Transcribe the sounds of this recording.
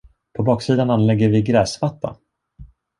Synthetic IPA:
pʰɔbɑːksiːd̪ananlɛɡːəɾvɪɡɾɛːsvat̪ːa̰

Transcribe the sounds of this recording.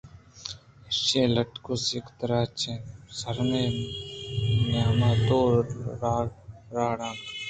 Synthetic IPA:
ʃẽːləʈkoːsikt̪əɾaːt͡ʃʰẽːsəɾmẽː | mjaːmaːt̪oːaɾaːɽãːn

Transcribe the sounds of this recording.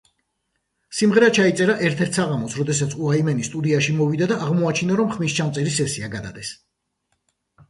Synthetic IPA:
simʁɛɾat͡ʃʰait̪sʼɛɾaʔɛɾt̪ʰɛɾt̪ʰsaʁamɔsɾɔd̪ɛsat̪sʰuaimɛnist̪ʼud̪iaʃimɔvid̪ad̪aʔːʁmɔat͡ʃʰinaɾɔmχmist͡ʃʰamt̪sʼɛɾisɛsiaɡad̪a̰d̪ɛs

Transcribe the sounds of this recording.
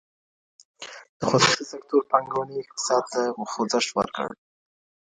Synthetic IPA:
d̪̥əxosusisak̚t̪oɾpaŋɡowniɪk̚t̪ɪ̥sɑd̪̚t̪axozəʃwə̰ɾkə̰ɽ

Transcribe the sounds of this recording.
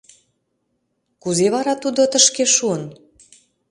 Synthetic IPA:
kuzeβɑɾɑt̪ud̪ot̪əʃkeʃuən

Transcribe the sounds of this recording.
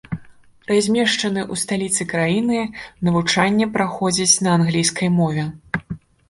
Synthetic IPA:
pɾazʲmʲɛʂt͡ʂɐnɨʔust̪alʲit̪sɨkɾajinɨnɐvut͡ʂanʲːɛpɾaxɔd͡zʲit͡sʲnɐanɣlʲijskʰɐjmɔvʲɛ

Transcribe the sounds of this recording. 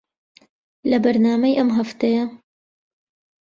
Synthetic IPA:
lɐbɐɾnaːmɐjʔɐmɦɐft̪ɐjɐ

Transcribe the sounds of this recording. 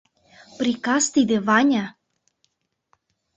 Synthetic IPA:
pɾikɑst̪id̪ĕvɑnʲa

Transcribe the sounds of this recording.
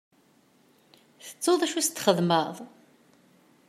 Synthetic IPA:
θə̥t͡sːoðˤæʃust̪ːχəðməðˤ

